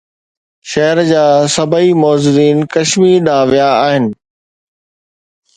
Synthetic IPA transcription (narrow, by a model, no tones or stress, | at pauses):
ʃɐɦəɾd͡ʑaːsɐbʱaimɔːzuːɾiːnkɐʃmiːɾɗãːʋijaːɦɪnɪ̆